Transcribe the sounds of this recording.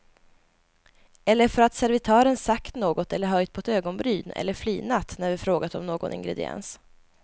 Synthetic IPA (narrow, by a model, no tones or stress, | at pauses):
ɛlːəɾfœɾat̪sæɾvɪt̪ʰɑːɾənsakt̪noːɡɔt̪ʰɛlːəɾɦœjt̪̚pʰɔɛt̪øːɡɔnbɾyːnɛ̰lːəɾflyːnat̪ːnæɾvɪfɾoːɡat̪ɔmnoːɡɔ̰nɪ̰ŋɡɾɛ̰d̪ɪ̰ɛ̰ns